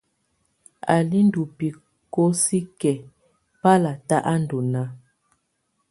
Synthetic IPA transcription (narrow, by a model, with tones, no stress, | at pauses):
a̰˨li˦n˦du˨pi˨ | ko˦si˦kɛ˨ | pa˦la˨ta˦ʔa˦n˨do˨na˦